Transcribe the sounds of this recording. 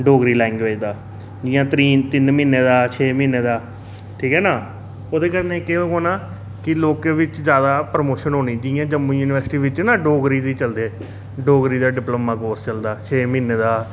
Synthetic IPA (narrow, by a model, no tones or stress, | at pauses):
ɖoːɡɾiːlɛ̃ːŋɡʋeːd͡ʒd̪aː | d͡ʒɪːjãːt̪ɾiːt̪ɪnmiːneːd̪aːt͡ʃʰeːmĩːneːd̪aː | ʈʰiːkɦɛːnaː | oːd̪eːkəɾneːkeːõːkoːnaː | kɪloːkẽːʋɪt͡ʃzjaːd̪aːpɾəmoːʃənɦoːniːd͡ʒɪjãːd͡ʒəmːuːjuːnɪʋəɾsɪʈiːʋɪt͡ʃːnaːɖoːɡɾiːd̪iːt͡ʃəld̪eː | ɖoːɡɾiːd̪aːɖɪploːmãːkoːɾst͡ʃəld̪aːt͡ʃʰeːmĩːneːd̪aː